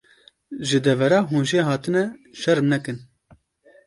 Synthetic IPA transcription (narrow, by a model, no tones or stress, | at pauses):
ʒɨd̪ɛvɛɾɑːɦuːnʒeːɦɑːt̪ɨnɛʃɛɾmnɛkɨn